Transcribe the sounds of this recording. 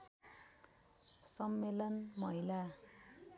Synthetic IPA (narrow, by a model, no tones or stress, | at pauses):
sʌmːelʌnmʌɦila